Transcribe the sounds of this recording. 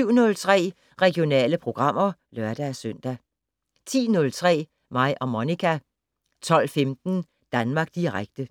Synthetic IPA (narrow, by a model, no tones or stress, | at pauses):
yʊ̰nɔ̽lt͡sʰʁɛ̰ː | ʁɛɡ̥io̝nɛ̰ːləpʰʁo̝ɡ̥ʁɑ̈m̰ɐlœɐd̥æːsøn̰d̥æ | t͡sʰḭːnɔ̽lt͡sʰʁɛ̰ː | mɑ̈ɪʔɒ̽monikʰæ | t͡sʰɒ̽l̰femd̥n̩ | d̥ænmɑ̈ːɡ̥̚d̥iʁaɡ̥̚d̥ə